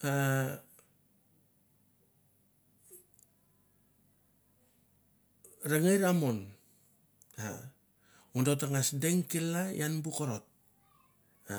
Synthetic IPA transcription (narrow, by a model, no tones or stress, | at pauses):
a | ɾaŋejɾamon | a̰ | undotaŋasdeŋkilajanbukoɾot̚ | a